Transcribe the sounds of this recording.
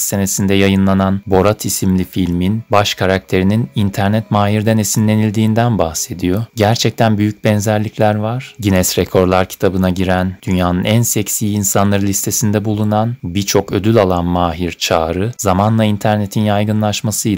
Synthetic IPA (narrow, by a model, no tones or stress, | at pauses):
se̞ne̞sind̪ɛjajɯnlˠananbo̞ɾat̪ʰisimlʲifilʲminbaʃkʰaɾak̚t̪ʰe̞ɾininint̪ʰæɾnɛt̪maːɦiɾd̪ɛnesinlʲːe̞nilʲd̪iːnd̪ænbahse̞d̪ijo̞ɟæɾt͡ʃʰɛc̚t̪ʰænbyjyc̚bɛnzæɾlʲiclʲæɾvaɾ̥ɟinɛsɾekʰo̞ɾlˠaɾcʰi̥t̪ʰabɯnaɟiɾænd̪̥ynjaːnɯnænsɛcsiinsanlˠaɾɯlʲist̪ʰe̞sind̪ɛbulˠunanbiɾt͡ʃʰo̞kø̞d̪ylʲalˠanmaːɦiɾt͡ʃʰaːɾɯzamanlˠaint̪ʰæɾne̞t̪ʰinjajɡɯnlˠaʃmasɯj